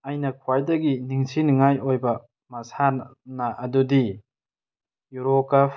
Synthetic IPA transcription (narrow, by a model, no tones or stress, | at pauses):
ajnɐkʰuwajdɐɡiniŋsinŋajojbɐ | mɐsannaʔɐdudi | juɾoka